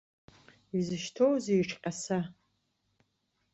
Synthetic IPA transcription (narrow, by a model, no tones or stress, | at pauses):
izɨʃtʰowzejʈ͡ʂʰʼqʲʼasa